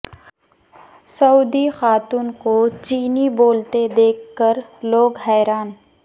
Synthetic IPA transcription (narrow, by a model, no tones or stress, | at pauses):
sɐuːd̪ixaːt̪uːnkot͡ʃiːniboːlt̪ed̪eːkʰːəɾloːɡɦɛːɾaːn